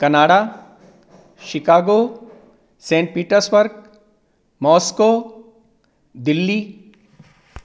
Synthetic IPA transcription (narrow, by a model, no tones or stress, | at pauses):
kɐnaːɽa | ʃɪkaːɡoː | sẽːɳʈ̚piːʈəɾsbəɾɡ̚ | mɔːskoː | d̪ɪlːiː